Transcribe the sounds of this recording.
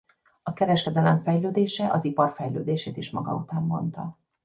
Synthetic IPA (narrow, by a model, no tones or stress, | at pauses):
ɒkɛɾɛʃkɛd̪ɛlɛɱfɛjløːd̪eːʃɛʔɒzipɒrfɛjlø̰ːd̪eːʃeːt̪iʃmɒ̰ɡɒ̰ṵt̪aːmːo̞̰nt̪ɒ̰